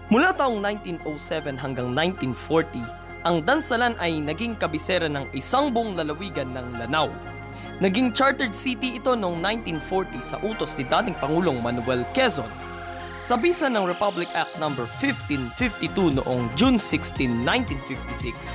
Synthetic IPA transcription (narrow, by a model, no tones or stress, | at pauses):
mʊlat̪aːʔoŋnajnt̪inʔowsɛvɛnɦɐŋɡaŋnajnt̪infoɹt̪i | ʔɐŋd̪ɐnsɐlanʔɐjnɐɡiŋkɐbɪsɛːɾɐnɐŋʔɪsaŋbʊŋlɐlɐwiːɡɐnːɐŋlɐnaw | nɐɡiŋt͡ʃaɹt̪ɛɹd̪̚sit̪iɪt̪o̞noŋnajnt̪infoɹt̪isɐ̰ʔuːt̪osnɪd̪aːt̪ɪŋpɐŋuːlo̞ŋmɐnʊwɛlkɛzon | sɐbiːsɐnːɐŋɹɛpablɪkʔak̚t̪̚nɐmbɛɹfɪft̪infɪft̪it̪uno̰ʔo̞ŋd͡ʒunsɪkst̪inːajnt̪infɪft̪ɪsɪks